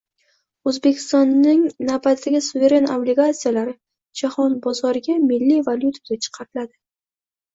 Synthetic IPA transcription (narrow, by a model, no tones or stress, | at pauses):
ɵzbe̞kʲʰɪ̥st̪ɒnːɪŋnabat̪aɡʲɪsuve̞ɾe̞nablɪɡat̪sijalaɾɪ | d͡ʒahɒnbɒzɒɾɪɡʲamɪlːivalʲjut̪ʰaɡʲat͡ʃʰɨ̥qʰɑɾɪlad̪ɪ